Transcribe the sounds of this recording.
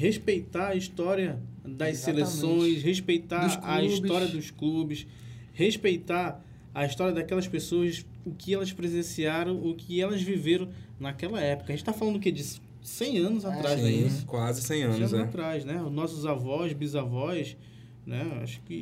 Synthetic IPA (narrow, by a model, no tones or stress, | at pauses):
heʃpejt̪aɐiʃt̪ɔɾiɐd̪ɐjsselesõj̃sheʃpejt̪askɐiʃbt̪ɔɾiɐd̪ʊʃklubɪs | heʃpejt̪a | ɐiʃt̪ɔɾiɐd̪akɛlɐspesoɐs | ʊkʰɪɛlɐspɾezẽsiaɾɐ̃w̃ʊkʰɪɛlɐzviveɾɐ̃w̃ | nɐkɛlɐɛpʊ̥kɐʒẽt͡ʃɪ̥t̪afalɐ̃nd̪ʊked͡ʒɪs | sẽj̃ɐ̃nʊzat̪ɾajzɛiskwazɪsẽj̃ɐ̃zat̪ɾajʃnɛʊnɔsʊzavɔʃbizavɔjs | nɛa̰ʃʊ̥kɪ